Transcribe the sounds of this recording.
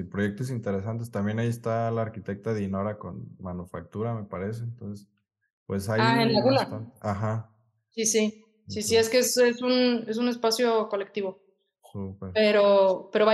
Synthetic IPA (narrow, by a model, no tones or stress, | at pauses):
ipɾoʝe̞k̚t̪oes̬int̪e̞ɾe̞s̬ant̪̬e̞st̪ambje̞naiest̪alaːɾkit̪e̞k̚t̪aðinoɾako̞̰nmanufak̚t̪uɾame̞paɾe̞s̬e̞ːnt̪onses | pwe̞sajaenlaɣulat̪anaxa | sisi | sisie̞skeese̞sune̞s̬une̞spasjo̞ko̞le̞k̚t̪iβo̞ | supeɾpe̞ɾo̞pe̞ɾo̞βa